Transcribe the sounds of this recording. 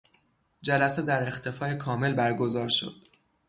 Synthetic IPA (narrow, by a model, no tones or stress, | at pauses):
d͡ʒælæsed̪æɾe̞xt̪ʰe̞fɒːje̞kʰɒːme̞lbæɾɡo̞zɒːɾʃo̞̰d̪̥̚